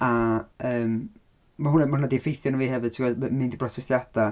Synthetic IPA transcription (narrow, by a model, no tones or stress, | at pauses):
aəːm | maɦʊnamahʊnadifejθjɔnɔviːɦɛvɨd̚tʰiwɛdmɨndibrɔsʰɛstjad̥a